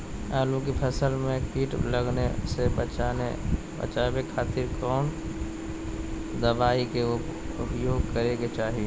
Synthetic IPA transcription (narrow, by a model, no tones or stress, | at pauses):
aːlukipʰəsəlmẽpiːʈləɡnesebt͡ʃae | bə̰t͡ʃaːbekʰaːt̪ɪɾkɔːn | d̪əʋaːikeʊ | ʊpjoːɡ̚kəɾeɡet͡ʃaːɦie